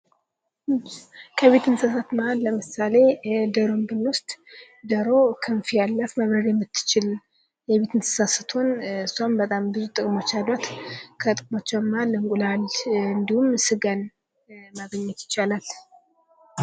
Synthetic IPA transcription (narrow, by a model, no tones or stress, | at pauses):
kʰəβe̞t̪ɨnsasat̪mahalləmɨsale̞d̪əɾombɨnwʊst̪ʼ | d̪əɾo̞kʰɨnfijalːəfməβɾəd̪jɛmːɨt̪ːɨ̥t͡ʃɪl | jɛβe̞t̪ɨnsɨ̥sasɨt̪ʰonɨsambət̪ʼambɨzut̪ʼɨkʼmo̞t͡ʃːalːot̪kʰət̪ʼɨkʼmot͡ʃːɛwmːahalːɨŋkʷʼulalɨnd̪ihumsɨɡan | maɡəɲːɛt̪jɪ̥t͡ʃːalal